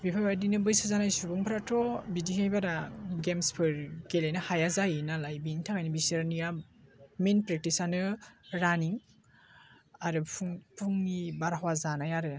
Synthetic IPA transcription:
bipʰajbadinɯbɯjsazanajsuɾbɔŋpʰɾatʰɔbidihajbaɾaɡemspʰɯɾɡelejnahajazajnalajbiŋtʰakajnɯbisɯɾnija | menpɾek̚tisanɯɾaniŋ | aɾɯpʰuŋnibaɾɦwazanajaɾɯn

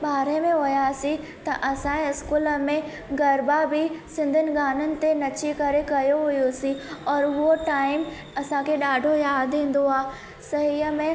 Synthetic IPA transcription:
ɓaːɾemẽɦojasi | t̪ɐʔɐsãẽɪskuːləmẽ | ɡɐɾbabʱisɪ̃nd̪ʱənɪ̆ɡaːnənɪ̆t̪enɐt͡ɕikɐɾekɐjoɦʊjosiɔːɾoʈaːɪm | ɐsãkʰeɗaːɖʱojaːd̪ɦĩːn̆d̪oaː | sɐɦiːəmẽ

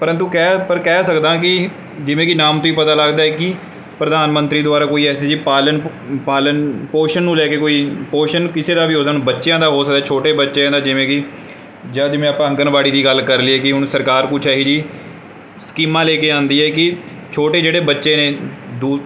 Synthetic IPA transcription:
pəɾə̃nt̪uːkɛːpəɾkɛːsəkd̪ãːkɪ | d͡ʒɪʋẽːkɪnaːmt̪õːiːpət̪aːləɡd̪aːɛːkɪ | pɾəd̪aːnmə̃nt̪ɾiːd̪ʊaːɾaːkoːiːɛːseːd͡ʒiːpaːlən | paːlənpoːʃənːũːlɛːkeːkoːiːpoːʃənkɪseːd̪aːʋiːoːd̪aːnũːbətːʃjãːd̪aːɦoːsəkd̪aɛːt͡ʃʰoːʈeːbətːʃeːãːd̪aːd͡ʒɪʋẽːkɪ | d͡ʒaːd̪ɪmẽːaːpãːə̃ŋɡənbaːɽiːd̪iːɡəlkəɾliːɛːkɪɦʊɳsəɾkaːɾkʊt͡ʃʰaːɦiːd͡ʒiː | skiːmãːlɛːkeːãːnd̪iːɛːkɪ | t͡ʃʰoːʈeːd͡ʒeːɽeːbətːʃeːneːd̪uː

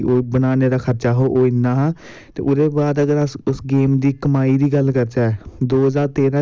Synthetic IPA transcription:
oːbənaːneɾakʰəɾt͡ʃaːɦoʔoːinaɦ | t̪ḛʔʊɾebaːd̪əɡəɾʊsɡeːmd̪ikəmaːid̪iɡəlkəɾt͡ʃaːɛd̪oːɦəzaːɾt̪eːɾã

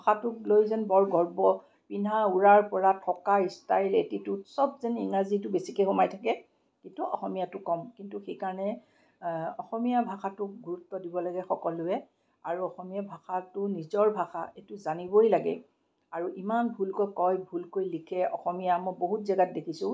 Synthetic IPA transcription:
bʱaxʰatʊklojzɛnbɔɹɡʱɔɹbɔ | pinauɹaɹpɔɹatʰɔkaɹistajletitʊsɔbzɛninazitʊbesikexɔmajtʰakɛ | kintuɔ̰xɔmijatʊkɔmkintuxejkaɹɔnɛ | ɔxɔmijabʱaxatʊk̚ɡuɹutːɔdibɔlaɡɛxɔkɔlʊɛ | aɹuɔxɔmijabʱaxʰatʊnizɔɹbʱaxa̰etʊzanibojlaɡɛ̰ | aɹuʔimanbʱulkojkɔjbʱulkojlikʰɛɔ̰xɔmijamɔjboɦutzɛɡat̚dekʰisʊ̃

